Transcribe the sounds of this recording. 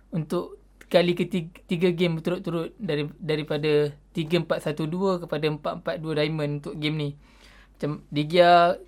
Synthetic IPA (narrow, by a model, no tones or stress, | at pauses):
unt̪ʊʔ | kalikət̪it̪iɡaɡɪmbət̪uɾʊt̪ːuɾʊt̪̚dadaɾipadat̪iɡəəmpat̪̚sat̪uduəkəpadaəmpaʔ̪mpat̪̚duədaimə̃nunt̪ʊʔɡemnĩ | mat͡ʃamdiɡia